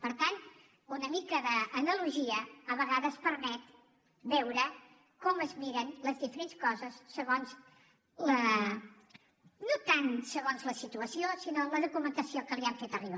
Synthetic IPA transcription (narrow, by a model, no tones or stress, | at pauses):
pəɾt̪an | unəmikəðəːnəluʒiəːβəɣaðəspəɾmɛt̪ | bɛwɾə | kɔməzmiɾənləzðifəɾenskɔzəsːəɣonz | lə | not̪ansəɣonzləsit̪uəsiosinoləðukumənt̪əsiokəliaɱfet̪əriβa